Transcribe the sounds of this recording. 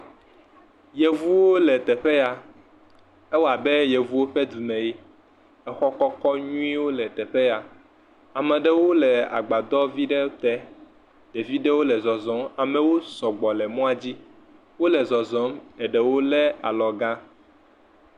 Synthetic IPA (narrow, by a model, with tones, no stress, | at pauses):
je˨vu˦wo˦lɛ˨t̪ɛ˨ɸɛ˦ja˨ | ɛ˦wɔ˦a˨bɛ˦je˨vu˦wo˦ɸɛ˦d̪u˨mɛ̃˨ji˦ | ɛ˦xɔ˦kɔ˦kɔ˦ɲũ˦ĩ˦wo˦lɛ˨t̪ɛ˨ɸe˦a˨ | a˨mɛ̃˨ɖɛ˦wo˦lɛ˨a̰˨ɡ͡ba˨d̪ɔ˦vi˦ɖe˦t̪ɛ˦ | ɖe˨vi˦ɖe˦wo˦lɛ˨zɔ˨zɔ̃˦ma˨mɛ˨wo˦sɔ˨ɡ͡bɔ˨lɛ˨mɔ̃˦a˨d͡ʑi˦ | wo˦lɛ˨zɔ˨zɔ˨˦mɛ˨ɖɛ˨wo˦lɛ˦a̰˨lɔ˨ɡã˦